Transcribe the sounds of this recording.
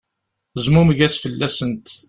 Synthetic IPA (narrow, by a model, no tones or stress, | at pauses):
zmuməɡæsfəlːæsənt̪